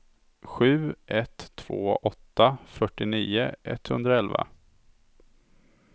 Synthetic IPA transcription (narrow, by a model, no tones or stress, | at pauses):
ɧʉ̟ːʔɛt̪ʰːv̥oːʔɔt̪ːafœʈːɪniːʊɛ̰t̪ːhɵnd̪ɾaɛlva̰